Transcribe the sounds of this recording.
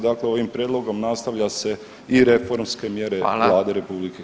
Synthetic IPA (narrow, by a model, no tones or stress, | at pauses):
d̪akle̞o̞ʋimpɾjeːd̪lˠo̞ɡo̞mnast̪aʋʎase̞ | iɾe̞fo̞ɾmske̞mje̞ɾe̞̰lˠaːd̪eɾe̞publike